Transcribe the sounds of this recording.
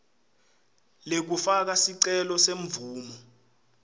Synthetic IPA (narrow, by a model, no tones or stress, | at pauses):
lek̬ufak̬asiǀɛlɔseɱvuːmɔ